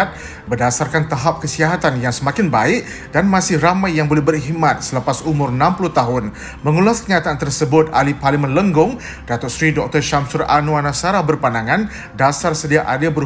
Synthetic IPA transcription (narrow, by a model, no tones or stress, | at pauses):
t̪̚ | bərdasarkant̪aɦap̚kəsiaɦat̪anjaŋsəmakɪnbaɪk̚ | danmãsɪhramajːaŋbolɛhbərɦimat̪̚sələpasumʊrnãmpuluht̪aɦʊn | məŋulaskəɲat̪aʔːnt̪ərsəbʊt̪̚a̰liparlimãnləŋɡʊŋ | d̥at̪ɔsɾidɔk̚t̪ɔrʃamsʊra̰nuanasaɾahbərpanaŋãn | dasarsədiaʔadeabər